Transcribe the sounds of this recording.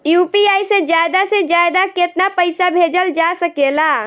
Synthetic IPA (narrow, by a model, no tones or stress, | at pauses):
jupiajsẽd͡ʒad̪asẽd͡ʒad̪aket̪napəɪjsabʱed͡ʒəld͡ʒasəkela